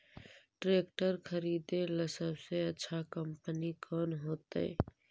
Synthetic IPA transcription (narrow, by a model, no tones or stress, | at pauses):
ʈɾeːkʈəɾkʰəɾid̪eləsəbseətːʃʰakəmpənikʰɔːnɦoːt̪ə̰ɪ